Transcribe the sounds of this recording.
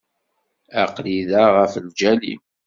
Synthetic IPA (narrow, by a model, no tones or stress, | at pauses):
æqliðaʁəfld͡ʒælḭm